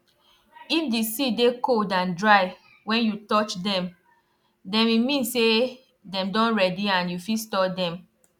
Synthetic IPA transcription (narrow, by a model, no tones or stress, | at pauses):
ifdisidekoldãndɹaɪ | wɛ̃njutɔt͡ʃdɛ̃m | dɛ̃mimĩnse | dɛ̃mdɔ̃nɹɛdiãnjufistɔdɛ̃m